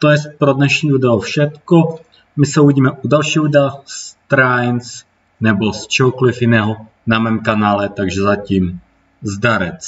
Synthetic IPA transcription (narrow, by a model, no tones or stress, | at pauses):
t̪ojɛspɾodnɛʃɲiːdudɛofʃɛt̪ko | mɪsɛuiɟiːmɛʔudalʃiːɦodst̪ɾajns | nɛbo̞st͡ʃɛɦokolɪfjɪnɛːɦo | namɛːmkanaːlɛt̪aɡʒɛzaciːm | zdaɾɛt͡s